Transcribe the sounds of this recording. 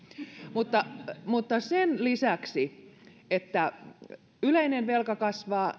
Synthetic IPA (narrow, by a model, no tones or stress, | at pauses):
mut̪ːɑmut̪ːɑsenlisæksiet̪ːæ | yleinenʋelkɑkɑsʋɑː